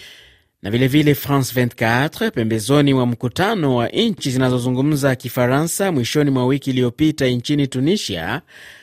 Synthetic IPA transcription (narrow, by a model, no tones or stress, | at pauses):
nʔavilɛvilɛfɾãnsvɛntkaatɾpɛmbɛzɔniwam̩kutanɔwaʔɲt͡ʃizinazɔzuŋɡum̩zakifaɾansamwiʃɔnimwawikiːlijɔpitaiɲt͡ʃinitunisia̰